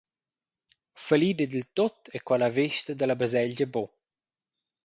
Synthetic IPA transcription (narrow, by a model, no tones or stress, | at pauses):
fəliːd̪əd̪əlt̪ot̪ɛkwalaveʃt̪əd̪əlabəzɛʎɟəbɔ